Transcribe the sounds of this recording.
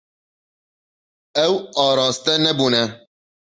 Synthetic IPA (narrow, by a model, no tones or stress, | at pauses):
ɛwɑːɾɑːst̪ɛnɛbuːnɛ